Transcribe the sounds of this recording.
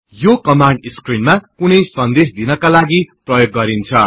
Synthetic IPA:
jokʌmaɳɖiskrinmakunʌjsʌnd̪esd̪inʌkalaɡiprʌjoɡːʌɾint͡sʰʌ

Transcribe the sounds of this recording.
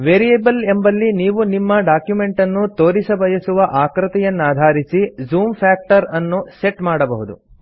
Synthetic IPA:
ʋeːɾijebɐlembɐlːiniːʋunimːɐɖaːkjume̞ɳʈɐnːut̪o̞ːɾisɐbɐjɐsuʋɐʔaːkɾɐt̪ɛjɐnːaːd̪ʱaːɾisizuːmpʰaːk̚ʈɐɾɐnːuse̞ʈmaːɽɐbɐɦud̪ṵ

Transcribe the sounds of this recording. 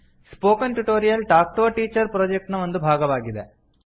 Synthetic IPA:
spoːkɐnʈuʈoːɾijɐlʈaːk̚ʈoːʈiːt͡ɕːɐɾpɾoːd͡ʒek̚ʈnɐmond̪ubʱaːɡɐʋaːɡiðḛ

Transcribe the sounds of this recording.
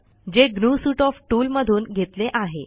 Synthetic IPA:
d͡ʑeɡnusuːʈɔfʈuːlməd̪ʱuːnɡʱet̪leʔaɦe

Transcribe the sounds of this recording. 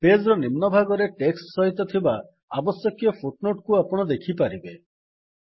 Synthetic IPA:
ped͡ʒɾɔnimnɔbʱaɡɔɾeʈeksʈsɔɦit̪ɔt̪ʰiba | abɔsjɔkjɔpʰuʈnoʈkuapɔɽ̃ɔd̪ekʰipaɾibe

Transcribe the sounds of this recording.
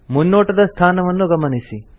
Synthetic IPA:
munːoːʈɐd̪ɐst̪ʰaːnɐʋɐnːuɡɐmɐnisi

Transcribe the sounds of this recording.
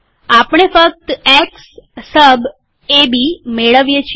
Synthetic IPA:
apɳ̃efək̚t̪eksːəb | ebimeɭəʋjet͡ʃʰi

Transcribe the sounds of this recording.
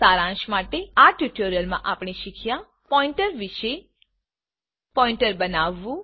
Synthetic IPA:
saɾãʃmaʈeaʈjuʈoɾijəlmã̰ʔapɳ̃iʃikʰja | pɔĩɳʈəɾʋiʃe | pɔ̃ĩɳʈəɾbənaʋːũ

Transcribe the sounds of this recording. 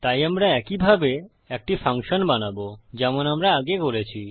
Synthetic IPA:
t̪ajamɾaɛkibʱabe | ek̚ʈifaŋʃonbanabod͡ʑɛmonamɾaaɡekoɾet͡ɕʰi

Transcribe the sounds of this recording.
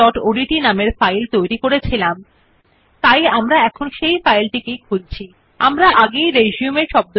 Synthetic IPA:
ɔʈoɖiʈinameɾfajlt̪ojɾikoɾet͡ɕʰilam | t̪ajamɾaɛkʰonʃejfajlʈikekʰult͡ɕʰi | amɾaʔaɡejɾeʃiumeɾʃɔb̚d̪o

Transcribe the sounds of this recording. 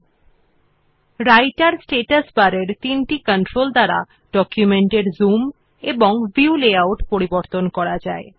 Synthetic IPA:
ɾajʈaɾsʈeʈasbaɾeɾt̪inʈikəɳʈɾold̪aɾa̰ | ɖ̥ɔkjumeɳʈeɾzum | eboŋviuleawʈpoɾiboɾt̪onkɔɾad͡ʑae

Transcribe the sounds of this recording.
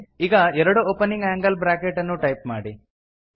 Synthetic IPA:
iɡɐɛɾɐɽuoːpenːiŋɡaːŋɡɐlbɾaːkeʈɐnːuʈɐjp̚maːɽi

